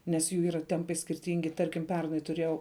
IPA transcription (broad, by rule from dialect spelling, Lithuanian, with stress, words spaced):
nʲɛs ˈjuː ˈiːrɐ ˈtʲɛmpɐɪ sʲkʲɪrʲˈtʲɪŋʲɡʲɪ ˈtɐrʲkʲɪm ˈpʲɛrnɐɪ tʊˈrʲeːjɛʊ